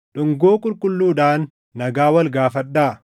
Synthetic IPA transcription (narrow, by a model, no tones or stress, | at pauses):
ᶑʊŋɡo̞ːkʼʊlkʼʊlːuːᶑaːnː | ɐɡaːwɐlɡaːfɐᶑːaː